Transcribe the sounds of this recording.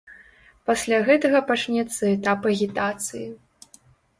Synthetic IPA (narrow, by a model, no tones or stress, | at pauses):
pasʲlʲaɣɛt̪ɐɣɐpat͡ʂnʲɛt̪sːɐɛt̪apɐɣʲit̪at̪sɨji